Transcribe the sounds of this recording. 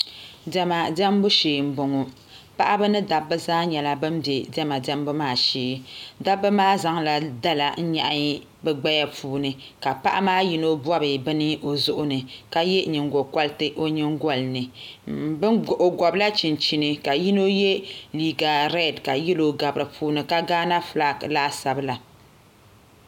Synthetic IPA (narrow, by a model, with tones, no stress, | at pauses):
dɛ˨ma˨dɛ˦m˦bʊ˦ʃeː˨m̩˦bo˨ŋo˨ | pa˦ʔa˦bɨ˦nɨ˦da˨bːɨ˦zaː˦ɲɛ˨la˦bɨ˦m˦bje˨dɛ˦ma˨dɛ˦m˦bʊ˦maː˦˨ʃeː˨˦da˦bːɨ˦maː˦za˦ŋla˨da˦la˨n̩˦ɲa̰˨ʔa˦ɲ˦ | bɛ˨ɡ͡ba˦ja˦pʰuː˦nɨ˨ka˨pa˦ʔa̰˦maː˦ji˦no˦bwa˦bɨ˨bɨ˦nɨ˦ʔo˨zʊ˦ʔʊ˦nɨ˨ka˦jɛ˦ɲɨ˨ŋɡo˨ka˦ltɨ˦ʔo˦ɲɨ˦ŋɡɔ˦˨lnɨ˨bɨ˦ʔo˨ɡɔ˨bla˦t͡ʃi˨nt͡ʃi˨nɨ˨ka˨ji˦no˦je˦liː˦ɡa˨ɾɛ˦˨dka˨ji˦lo˨ɡa˨bɨ˨ɾɨ˨pʰuː˦nɨ˨ka˦ɡaː˦na˦fla˦˨klaː˦sa˨bɨ˦la˨